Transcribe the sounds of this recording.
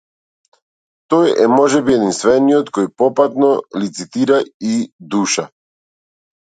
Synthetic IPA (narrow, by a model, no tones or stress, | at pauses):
t̪ɔjɛmɔʒɛbiɛd̪ɛnsvɛniɔt̪kɔjpɔpat̪nɔlit̪sit̪iɾaid̪uʃa